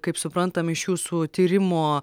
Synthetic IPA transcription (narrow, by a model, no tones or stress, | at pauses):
kɐɪpsʊpɾɐnt̪ɐmɪʃjuːsuːt̪ʲiːɾʲɪmoː